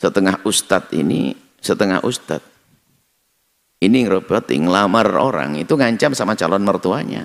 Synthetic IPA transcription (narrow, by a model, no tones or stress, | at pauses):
sət̪əŋahust̪at̪̚ḭnḭ | sət̪əŋa̰hʔust̪a̰t̪̚ | iniŋɾopot̪ɪ̰ŋlamaro̰ɾa̰ŋit̪uŋaɲt͡ʃamsamat͡ʃalɔnmərt̪uaɲa̰